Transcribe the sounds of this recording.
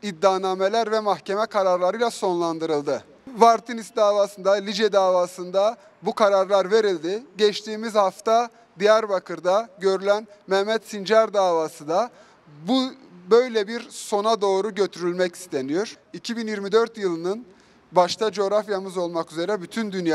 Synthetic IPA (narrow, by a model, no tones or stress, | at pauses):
id̪ːaːnaːmelʲæɾvɛmaxcʰemɛkʰaɾaɾlˠaɾɯjlˠaso̞nlˠand̪ɯɾɯlˠd̪ɯ | vaɾt̪ʰinisd̪aːvaːsɯnd̪alʲid͡ʒɛd̪aːvaːsɯnd̪a | bukʰaɾaɾlˠaɾve̞ɾilʲd̪iɟɛt͡ʃt̪ʰiːmizhaft̪a | d̪ijæɾbakʰɯɾd̪aɟø̞ɾylʲænmɛhmɛt̪sind͡ʒaɾd̪aːvaːsɯd̪a | bubø̞jlʲɛbiɾso̞nad̪o̞ːɾuɟø̞t̪ʰyɾylʲmɛci̥st̪ʰe̞nijo̞ɾ̥icʰibinjiɾmid̪øɾt̪jɯlˠɯnɯn | baʃt̪ʰad͡ʒ̞ɾafjamɯzo̞lˠmakyze̞ɾɛbyt̪ʰynd̪ynja